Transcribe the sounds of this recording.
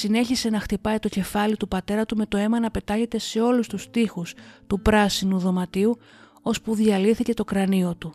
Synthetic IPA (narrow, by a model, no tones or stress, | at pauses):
sine̞çise̞nɐxt̪ipɐjt̪o̞ce̞fɐlit̪upɐt̪e̞ɾɐt̪ume̞t̪o̞e̞mɐnɐpe̞t̪ɐʝe̞t̪e̞se̞o̞lust̪ust̪ixust̪upɾɐsinuðo̞mɐt̪iu | o̞spuðiɐliθice̞t̪o̞kɾɐnio̞t̪u